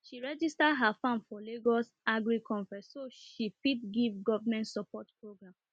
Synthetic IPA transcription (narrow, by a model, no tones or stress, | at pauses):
ʃiɹɛd͡ʒistaɦafãnfɔleɡɔs | aɡɹikʰɔ̃ɱfɛ̃ssoʃipitɡivɡɔvamɛ̃ntsɔpɔtpɹoɡɹãm